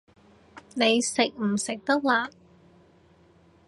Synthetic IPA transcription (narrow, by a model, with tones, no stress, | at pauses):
ne˨˧jsɪ˨k̚m̩˨˩sɪ˨k̚t̪ɐ˥k̚laː˧